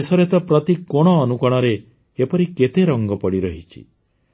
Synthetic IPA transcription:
sɔɾet̪ɔpɾɔt̪ikoɽ̃ɔːnukɔɽ̃ɔɾeː | pɔɾiket̪eɾɔŋɡɔpɔɽiɾɔɦit͡ʃʰḭ

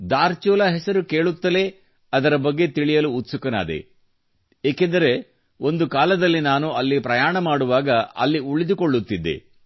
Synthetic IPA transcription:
d̪aːɾt͡ʃuːlɐɦɛsɐɾuke̞ːɭut̪ːɐle̞ | ɐd̪ɐɾɐbɐɡːe̞t̪iɭijɐluːt̪ːsukɐna̰ːd̪e̞̰ | eːkend̪ɐɾe̞ | o̞nd̪ukaːlɐd̪ɐlːinaːnuɐlːipɾɐjaːɳɐmaːɽuʋaːɡɐɐ̰lːiuɭid̪ukoɭːut̪ːid̪ːḛ

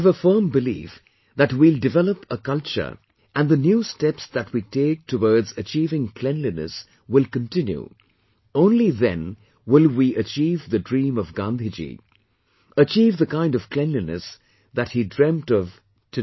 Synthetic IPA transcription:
əvəfɜ̃˞mbɨlḭf | ðɨt̚wilˠdɨvɛlˠəpəkʌlˠt͡ʃə̰˞ | ʔɨ̃nðɨnjustɛpsðɨt̚witʰeɪk̚tʰəwɔɹdzɨt͡ʃivɪ̃ŋpʰl̥ɛ̃nlinɨ̰s | wɪlˠkɨ̃ntʰɪ̃njṵ | õʊ̃nliðɨ̰̃n | wɪlˠwiʔɨt͡ʃivðɨdɹĩmʌvɡɑ̃nd̪ɪd͡ʒḭ | ət͡ʃivðɨkãɪ̃ndʌv̥kʰl̥ɛ̃nlinɨ̰s | ðɨt̚hidɹɛ̃mtʌv̥ | tʰɨ

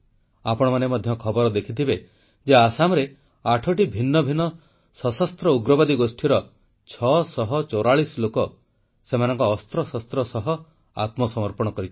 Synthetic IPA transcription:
apɔɽ̃ɔmanemɔd̪ʱjɔkʰɔbɔɾɔd̪ekʰit̪ʰibe | d͡ʒeasamɔɾe | aʈʰɔʈibʱinːɔbʱinɔ | sɔsɔst̪ɾɔuɡɾɔbad̪iɡosʈʰiɾɔ | t͡ʃʰɔsɔɦɔt͡ʃoɾaɭislokɔ | semanɔŋkɔːst̪ɾɔsɔst̪ɾɔsɔɦɔ | a̰t̪mɔsɔmɔɾpɔɽ̃ɔkɔɾit͡ʃ̪ʰi̥

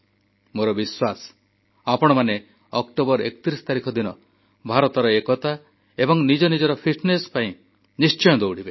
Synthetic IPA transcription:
moɾɔbiswasɔ̥ | apɔɽ̃ɔmane | ɔkʈobɔɾḛkɔ̥t̪iɾisɔ̥t̪aɾikʰɔd̪inɔ | bʱaɾɔt̪ɔɾɔekɔt̪a | ebɔŋnid͡ʒɔnid͡ʒɔɾɔpʰiʈnesɔ̥paĩ | nist͡ʃɔjɔd̪owɽ̤ibe

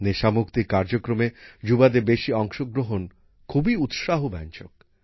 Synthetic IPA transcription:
neʃamukt̪ikaɾd͡ʑokɾomed͡ʑubad̪ebeʃiɔŋʃoɡɾoɦon | kʰubiut̪ʃaɦobɛ̰nt͡ɕok̚

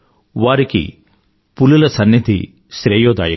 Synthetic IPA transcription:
ʋaːɾikḭ | pululɐsɐnːɐt̪ḭ | ʃɾeːjoːd̪a̰ːjɐ

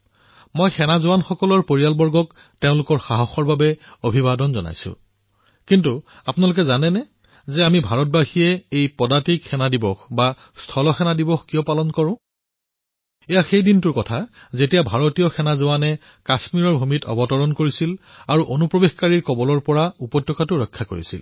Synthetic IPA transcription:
mojxɛnazʊwanxɔkɔlɔɹpoɹijalbɔɹɡɔk | teʊ̃lʊkɔɹxaɦɔxɔɹbabɛobʱibadɔnzɔ̰na̰jsʊ̰̃ | kintu | apʊnalʊk̬ɛzanɛnɛ | zɛamibʱaɹɔt̚baxijɛejpɔdatikxɛnadibɔxba | stʰɔlɔxɛnadibɔxkijɔpalɔnkɔɹʊ̃ | ɛjaxejdintʊɹkɔtʰa | zetijabʱaɹotijɔxʰɛnazowanɛ | kasmiɹɔɹbʱumitɔ̰bɔtɔɹɔnkoɹisilaɹuʔonupɹɔbexkaɹiɹkɔbɔlɔɹpɔɹaupɔtːjɔkʰatʊɹɔjkʰːakoɹḭsḭl

